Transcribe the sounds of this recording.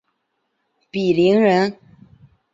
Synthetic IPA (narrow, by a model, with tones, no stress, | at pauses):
pi˨˩li˧˥ŋɻə˧˥n